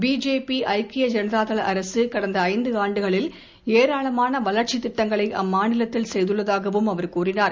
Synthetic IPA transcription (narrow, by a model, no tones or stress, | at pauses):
biːd͡ʒeːpiʔɐɪkɪjɐd͡ʒɐnɐɾaːt̪ɐlɐʔɐɾɐsɯkɐɽɐnd̪ɐːɪnd̪ɯaːɳɖɯɣɐɭɪl | eːɾaːɭɐmaːnɐʋɐlɐɾt͡ʃɪt̪ːɪʈːɐŋɡɐɭɐɪʔɐ̰mːaːnɪlɐt̪ːɪlsɛjðɯɭːɐðaːɣɐʋɯmɐʋɐɾkuːrɪnaːɾ